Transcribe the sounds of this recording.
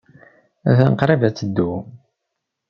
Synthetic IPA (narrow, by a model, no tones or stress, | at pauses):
æ̰θænəqɾˤavæt͡sːəd̪ːu